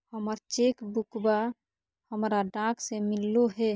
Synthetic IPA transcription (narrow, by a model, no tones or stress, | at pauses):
həməɾt͡ʃekbukba | həmɾaɖãkʰsemilːoɦɛ